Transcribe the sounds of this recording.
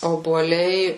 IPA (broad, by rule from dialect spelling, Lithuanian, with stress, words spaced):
oːbuɔˈlʲɛɪ